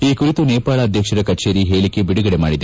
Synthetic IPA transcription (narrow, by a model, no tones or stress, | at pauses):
iːkuɾit̪uneːpaːɭɐːd̪ʱjɐkʂɐɾɐkɐt͡ʃeːɾiɦeːɭikebiɽuɡɐɽemaːɽid̪